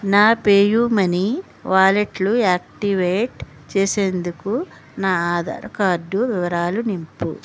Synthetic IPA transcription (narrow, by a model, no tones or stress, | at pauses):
naːpeːjuːmɐni | ʋaːleʈluaːk̚ʈiʋeːʈ | t͡ʃeːseːnd̪uku | naːaːd̪a̰ɾɐkaːɾɖːuʋiʋɐɾaːlunimpu